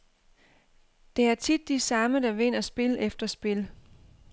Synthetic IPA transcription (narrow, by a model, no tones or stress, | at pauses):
d̥e̝æɐt͡sʰid̥ːisɑ̈məd̥ɑ̈ʋe̝n̰ɐsb̥e̝ləʔefd̥ɐsb̥e̝l